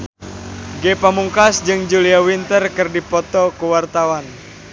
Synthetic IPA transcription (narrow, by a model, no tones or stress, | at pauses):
ɡepamuŋkasd͡ʒɨŋd͡ʒuliawint̪ərkɨrdipɔt̪ɔkuwart̪awan